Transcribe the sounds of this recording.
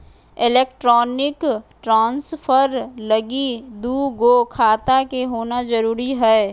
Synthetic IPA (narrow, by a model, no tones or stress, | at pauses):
ɪleːk̚ʈɾɔːnɪkʈɾãːnsfʰəɾlɐɡid̪uːɡoːkʰaːt̪akeɦoːnazɐɾuːɾiɦɛː